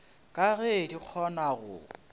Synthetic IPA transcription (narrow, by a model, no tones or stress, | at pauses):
kʼaɣedik͡xʰɔnaɣʊ̰